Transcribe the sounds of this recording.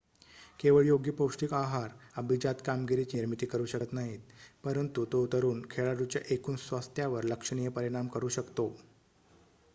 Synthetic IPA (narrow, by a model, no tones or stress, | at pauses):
keʋəɭjoɡjipowʂʈiːkaɦaɾabid͡ʑat̪kamɡiɾit͡ɕiːɾmit̪iːkəɾuːɕəkət̪naɦiːt̪̚pəɾənt̪ut̪out̪əɾuːnkʰeɭaɾut͡ɕja̰ʔekuːnsʋast̪ʰjaʋəɾləkʂəɳ̃ijəpəɾiɽ̃amkəɾuːɕəkt̪o